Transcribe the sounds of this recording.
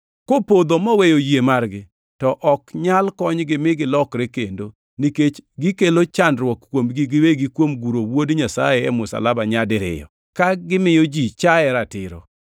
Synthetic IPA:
kopod̪omɔwejojjemarɡɪ | tɔʔɔkɲalkɔɲɡɪmɪɡɪlɔkɾɛkendo | niket͡ʃɡɪkelot͡ʃandɾwɔkkwomɡiɡɪweɡɪkwomɡuɾowodɲasajɛɛmʊsa̰labaɲadɪɾɪ̰jɔ̰ | kaɡɪmɪjɔd͡ʒit͡ʃaɛɾatɪɾɔ̰

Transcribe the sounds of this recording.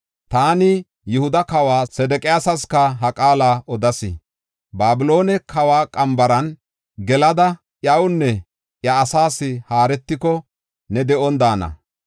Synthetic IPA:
t̪aːnɪ | jʊhʊd̪ɐkɐwaːsɛd̪ɛkʼɪjaːsɐskɐɦɐkʼaːlaːɔd̪ɐsɪ̰ | baːbɪlo̞ːnɛkʰɐwaːkʼɐmbɐɾɐn | ɡɛlɐd̪ɐ | ʔjɐwʊnːɛ | ʔjɐːsaːsːɪhaːɾɛt̪ːɪkɔ | nɛd̪ɛʔɔnd̪aːnɐ̰

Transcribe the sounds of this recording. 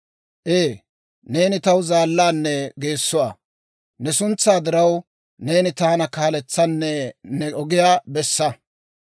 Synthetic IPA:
ʔeː | ne̞ːnɪt̪ɐwzaːlːaːnːɛɡe̞ːsːʊwa̰ | nɛsʊnt͡sːaːd̪ɪɾɐw | ne̞ːnɪt̪aːnɐkaːlɛt͡sːɐnːɛnɛʔɔɡɪjaːbɛsːɐ

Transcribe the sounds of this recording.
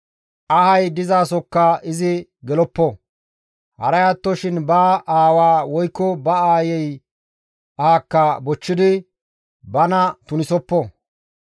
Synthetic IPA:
ʔɐhɐjd̪ɪzaːsɔkːɐɪzɪɡɛlɔpːɔ | hɐ̰ɾɐjat̪ːɔʃɪnbaʔaːwaːwɔjkːɔbɐaːjɛj | ʔaːkːɐbɔt͡ʃːɪd̪ɪ | bɐnɐt̪ʊnɪsɔpːɔ

